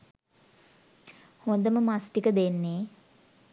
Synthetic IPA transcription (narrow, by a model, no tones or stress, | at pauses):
hond̪əməmasʈikəd̪enːeː